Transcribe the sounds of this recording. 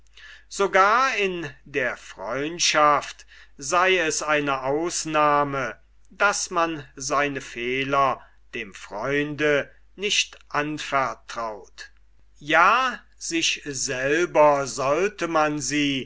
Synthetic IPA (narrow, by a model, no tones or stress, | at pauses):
z̥oɡaːɐɪndeːɐfʁ̥ɔʏntʃaft | zaɪɛsʔaɪnəʔaʊsnaːmə | d̥asmanzaɪnəfeːlɐ | d̥eːmfʁ̥ɔʏndə | nɪʃtʔanfɛɐtʁ̥aʊt | jaː | z̥ɪʃz̥ɛlbɐzɔltəmanziː